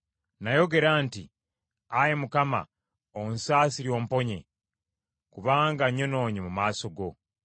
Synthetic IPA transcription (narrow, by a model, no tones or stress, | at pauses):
najo̞ɡe̞ɾaːnti | ajemukama̰ | onsaːsiɾjo̞ːmpo̞ɲe̞̰ | kuβaːŋɡaɲo̞no̞ːɲimumaːso̞ɡo̞